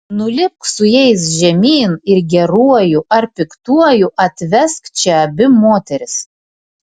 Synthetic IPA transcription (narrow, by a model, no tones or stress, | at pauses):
nʊlʲɪp̚ksʊjɛɪs̬ʒʲɛmʲiːnɪɾɡʲɛɾuɔjuʔɐɾpʲɪkt̪uɔjuʔɐt̪ʲʋʲɛskt͡ʃʲɛɐbʲɪmoːt̪ʲɛɾʲɪs